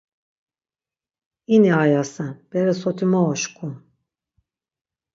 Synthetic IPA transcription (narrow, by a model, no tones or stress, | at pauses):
iniajasab̥ɛɾɛsot̪ʰimaoʃkʰun